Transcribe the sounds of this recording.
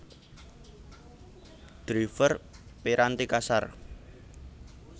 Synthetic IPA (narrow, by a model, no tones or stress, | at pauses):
d̪̥ɾifərpeɾant̪ikasar